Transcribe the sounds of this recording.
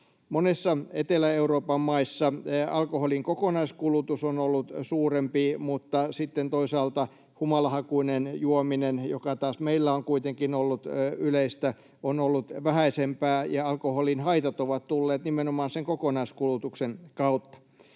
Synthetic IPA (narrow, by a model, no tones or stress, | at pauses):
monesːɑet̪elæeuroːpɑmːɑisːɑɑlkoholiŋkokonɑiskulut̪usonolːut̪suːrempimut̪ːɑsit̪ːent̪oisɑːlt̪ɑ | humɑlɑhɑkuinenjuominenjo̰kɑt̪ɑːsmeilːæoŋkuit̪eŋkinolːut̪yleist̪æ | onolːut̪ʋæhæisempæːjɑɑlkoholinhɑit̪ɑt̪oʋɑt̪t̪ulːeːt̪nimenomɑːnseŋkokonɑiskulut̪uksenkɑut̪ːɑ̥